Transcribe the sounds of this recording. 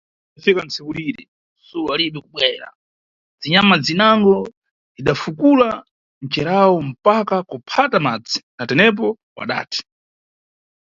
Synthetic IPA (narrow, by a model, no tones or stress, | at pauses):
afikant͡sʰɛkuɾiɾɛ̰ | sulualiɓikuɓwɛɾa̰ | d͡ziɲamad͡zinaŋɡɔ | ziɗafukula | n̩t͡ʃɛɾawɔm̩pakakupʰatamad͡zi̥natɛnɛp̬ɔ | wa̰ɗa̰ːtʰi̥